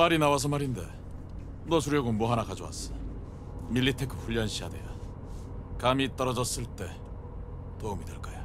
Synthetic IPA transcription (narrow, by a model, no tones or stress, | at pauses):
maɾinawas̬ʰʌmaɾinde̞̰ | nʌs̬ʰuɾjʌɡomoɦanakad͡ʑowa̰s͈ʌ̥ | miʎːitʰekʰɯɸuʎːʌnɕʰijade̞̰jo | kamit͈ʌɾʌd͡ʑʌs͈ɯɭt͈e̞ | poumideɭk͈ajo